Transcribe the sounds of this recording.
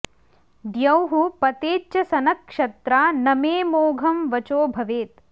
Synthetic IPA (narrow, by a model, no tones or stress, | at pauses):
d̪jɐwɦupɐt̪eːtt͡ʃɐsɐnɐkʂɐt̪ɾaːnɐmeːmoːɡʱɐmʋɐt͡ʃoːbʱɐʋeːt̪̚